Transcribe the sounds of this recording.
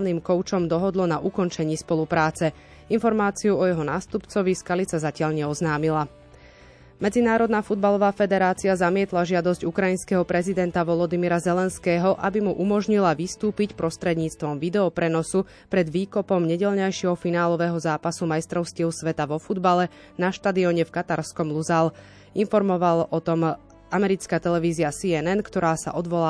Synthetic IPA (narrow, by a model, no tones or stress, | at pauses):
niːmkɔʊt͡ʃɔmd̪ɔɦɔd̪lɔnaʔukɔnt͡ʃɛɲiːspɔlupɾaːt͡sɛ | infɔɾmaːt͡siuɔjɛɦɔnaːst̪upt͡sɔʋiskalit͡sazacɪaʎɲɛɔznaːmila | mɛd͡zinaːɾɔd̪naːfud̪balɔʋaːfɛd̪ɛɾaːt͡siazamɪɛt̪laʒɪad̪ɔzɟukɾajinskɛɦɔpɾɛzid̪ɛnt̪aʋɔlɔd̪imiɾazɛlɛnskɛːɦɔʔabimuʔumɔʒɲilaʋist̪uːpicpɾɔst̪ɾɛd̪ɲiːt͡st̪ʋɔmʋid̪ɛɔpɾɛnɔsu | pɾɛd̪ʋiːkɔpɔmɲɛɟɛʎɲajʃɛɦɔfinaːlɔʋɛːɦɔzaːpasumajst̪ɾɔʊscilsʋɛt̪aʋɔfud̪balɛ | naʃt̪ad̪iɔɲɛfkat̪aɾskɔmluzal | infɔɾmɔʋalɔt̪ɔm | amɛɾit͡skat̪ɛlɛʋiːziasiɛnɛnkt̪ɔɾaːsa̰ʔɔd̪ʋɔlaː